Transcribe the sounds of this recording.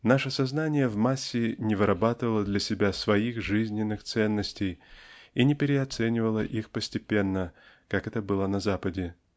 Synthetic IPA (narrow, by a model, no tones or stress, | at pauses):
naʂəsɐznanʲɪjəvmasʲːɪnʲɪvɨɾʔɐbat̪ɨvəlˠəd̪lʲɐsʲɪbʲasvɐixʐɨzʲnʲɪnːɨxt̪sɛnːəsʲtʲɪjinʲɪpʲɪɾʲɪɐt̪sɛnʲɪvəlˠəʔixpəsʲtʲɪpʲenːə | kakɛt̪əbɨlˠənɐzapədʲɪ